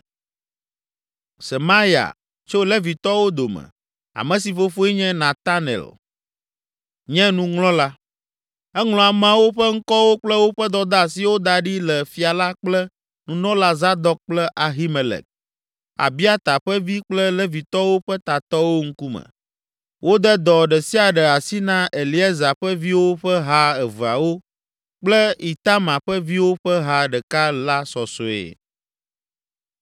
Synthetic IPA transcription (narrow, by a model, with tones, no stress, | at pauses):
sɛ˨ma˦ja̰˨ | t͡ʃo˦lɛ˦vi˨t̪ɔ˦wo˦d̪o˨mɛ̰̃˨ | a̰˨mɛ̃˨s̬i˨fo˦fo˦i˦ɲɛ̃˦nã˨t̪a˦nɛ̰˨l | ɲɛ̃˦nũ˦ŋlɔ̃˦la˦ | ɛ˦ŋl̃ɔ̃˨a˨m̃˦a˨wo˦ɸɛ˦ŋ̩˦kɔ˦wo˦k͡plɛ˦wo˦ɸɛ˦d̪ɔ˨d̪a˦˨si˨wo˦d̪a˨ɖi˦lɛ˨fi˨a˨la˦k͡plɛ˦ | nũ˨nɔ̃˦la˨za˦d̪ɔ˦k̚k͡plɛ˦ʔa˨ɦi˦me˨lɛ̰˨k̚ | a̰˨bi˦a˦t̪a˨ɸə˦vi˦k͡plə˦lə˦vi˨t̪ɔ˦wo˦ɸə˦t̪a˨t̪ɔ˦wo˦ŋ̩˦ku˦mə̰˨ | wo˦d̪ə˦d̪ɔ˨ɖə˨si˦a˨ɖə˨a˨si˦nã˦ʔe˨li˦a˦za˨ɸə˦vi˦wo˦ɸə˦ɦa˦ɛ˨və˨a̰˨wo˦ | k͡plə˦i˨t̪a˦mã˨ɸə˦vi˦wo˦ɸə˦ɦa˨ɖə˨ka˦la˦sɔ˨so˨ḛ˨